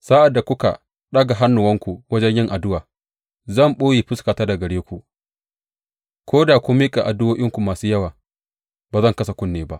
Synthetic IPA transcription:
saː˦ʔa˨dːa˨kʷʊ˦ka̰˨ | ɗɐ˦ɡa˨ɦa˦nːʊ˨wɐ˦ŋkʷu˨wɐ˦d͡ʒɛ˦ɲjɪ˦ŋʔa˨dʊ˦waː˨ | zɐ˦˨mɓoː˦jiː˨ɸɪ˦skaː˨taː˦da˨ɡɐ˨ɽeː˦kʷu˨ | kʷʰoː˦daː˨kʷʊ˦mːi˦kʼa˨ʔa˨dʊ˦woː˦ʔʲɪ˦ŋkʷu˨maː˨suː˦jɐ˦waː˨ | baː˨zɐ˦˨ŋkɐ˦sa˨kʷʊ˦nːeː˨ba˦ʔ

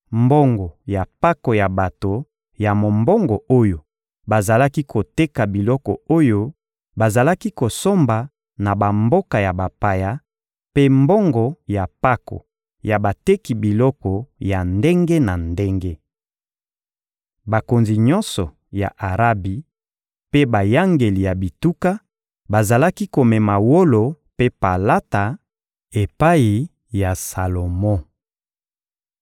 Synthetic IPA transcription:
mbɔ˦ŋɡɔ˨ja˨pa˦kɔ˨ja˨ba˨to˨ | ja˨mo˨mbɔ˦ŋɡɔ˨o˦jo˨ | ba˨za˨la˦ki˦kʰo˨te˦ka˨bi˨lɔ˦kɔ̰˨o˦jo˦ | ba˨za˨la˦ki˦ko˨so˦mba˨ | na˨ba˨mbo˦ka˨ja˨ba˨pa˨ja˦ | pe˦mbɔ˦ŋɡɔ˨ja˨pa˦ko̰˨ | ja˨ba˨te˦ki˨bi˨lɔ˦kɔ˨ja˨nde˦ŋɡe˦na˨nde˦ŋɡe˦ | ba˨ko˨nzi˨ɲɔ̃˦nsɔ˨ | ja̰˨ʔa˨ʁa˦bi˨ | pe˦ba˨ja˦ŋɡe˨li˨ja˨bi˨tu˦ka˦ | ba˨za˨la˦ki˦ko˨mɛ˨ma˨wo˦lo˨ | pe˦pa˨la˦ta˨ | e˨pa˦i˨ | ja˨sa˨lo˨mɔ̃˦

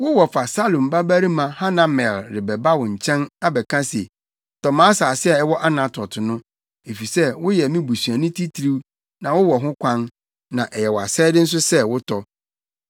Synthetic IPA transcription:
wʊ˦wɔ˨fa˨sa˦lõ˨mba˦bæ˦ɾi˦mã˨ha˦nã˨mɛ˨lɾɪ˨bɛ˨ba˦wɔ̃˨ɲ̩˨t͡ɕʰɛ̃˦na˦bɛ˨kʰã˦se˨ | tʰɔ˨mãː˦saː˨sɪ˦ɛ˨ɛ˦wɔ˦ʔa˦nã˨tʰɔ˨tʰʊ˨nʊ̃˦ | e˨fi˨sɛ˦wʊ˦jɛ˨mĩ˦bu˨sɥa˨nʊ̃˦tʰi˦tʰi˨ɾi˦w | nã˨wʊ˦wɔ˨ɦʊ̃˦kʷʰã˦n | nã˨ʔɛ˨jɛ˨wɔ˨a˨sɛː˦dɪ˦n̩˦s̬ʊ˦sɛ˦wʊ˦tʰɔ˦

